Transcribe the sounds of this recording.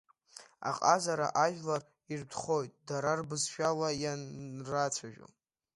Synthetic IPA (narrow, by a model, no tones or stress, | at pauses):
a̰qʼazaɾa̰ʔaʒᶣlar | irdʰχo̞jtʼdaɾarbɨzʃᶣalajanrat͡sʷʰaʒᶣo̰